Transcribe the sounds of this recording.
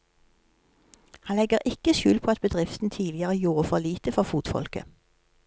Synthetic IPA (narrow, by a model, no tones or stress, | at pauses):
hɑnlɛɡəʁʔɪkəʃʉːlpʰoːɑt̪̚bəd̪ʁɪft̪n̩t̪ʰiːlɪəʁəjuːʁəfɔʁliːt̪əfɔʁfuːt̪fɔ̰lkə̰